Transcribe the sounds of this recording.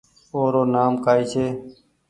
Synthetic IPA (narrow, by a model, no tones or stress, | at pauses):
oːɾoːnaːmkaːiːt͡ʃʰeː